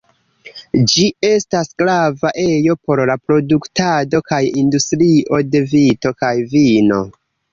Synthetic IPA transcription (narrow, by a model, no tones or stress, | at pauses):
d͡ʒie̞stasɡlavaʔe̞jo̞po̞ɾlapɾo̞duktado̞kajindustɾiʔo̞de̞vito̞kajvino̞̰